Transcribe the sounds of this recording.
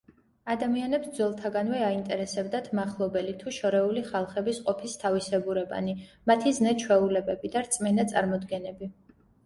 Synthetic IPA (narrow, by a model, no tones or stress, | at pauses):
ad̪amianɛpsd̪zwɛlˠt̪ʰaɡanvɛaint̪ʼɛɾɛsɛbd̪at̪ʰmaχlˠɔbɛlit̪ʰuʃɔɾɛuliχalˠχɛbisqʼɔpʰist̪ʰavisɛbuɾɛba̰nimat̪ʰiznɛt͡ʃʰwɛulɛbɛbid̪aɾt̪sʼmɛnat̪sʼa̰ɾmɔd̪ɡɛnɛbi